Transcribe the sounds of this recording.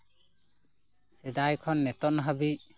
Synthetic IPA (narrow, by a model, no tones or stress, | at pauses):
sɛd̪ajkʰɔnːɛt̪ɔʔnɦabic